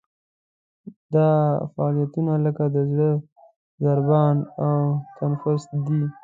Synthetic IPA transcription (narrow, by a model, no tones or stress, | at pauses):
d̪ɑfaɑlijat̪unaləkad̪əzɽə | zaɾbɑnawt̪anfʊst̪̚d̪i